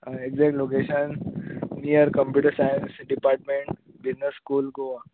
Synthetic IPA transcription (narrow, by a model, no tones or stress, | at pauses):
eɡzɛk̚ʈlok̬eːʃənː | ijəɾkə̃mpjuːʈəɾsaɪə̃nsɖipaːɾʈ̚mẽɳʈ | bɪznəsːkuːlɡoa